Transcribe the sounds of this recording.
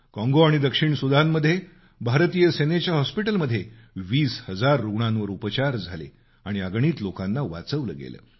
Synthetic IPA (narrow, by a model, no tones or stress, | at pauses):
kɔ̃ŋɡoaɽ̃id̪əkʂiɳsud̪ʱanːəd̪ʱːje | bʱaɾt̪ijəsenet͡ɕjaɦɔspiʈəlməd̪ʱːje | ʋiːshəd͡zaɾːuɡɳãnʋəɾupət͡ɕaɾd͡zʱalḛ | aɽ̃iəɡɳiːt̪lokanːaʋa̰t͡səʋlə̰ːɡḛlə̰ː